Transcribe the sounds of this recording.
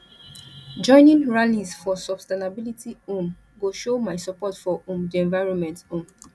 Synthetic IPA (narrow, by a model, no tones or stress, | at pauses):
d͡ʒɔ̃ɪ̃nĩŋɹalizfɔsɔb̥stenabilitʰiõm | ɡoʃomaɪsɔpɔtfɔʔõmdiɛ̃nvaɪɹɔ̃nmɛ̃ntõm